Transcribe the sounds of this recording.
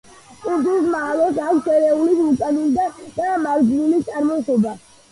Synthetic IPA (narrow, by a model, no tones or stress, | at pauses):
kʼut̪us̬malɔsakʰsɛɾɛulisukʼaɡind̪ad̪̥amaɡd͡ʒilit̪sʼaɾmɔsɔba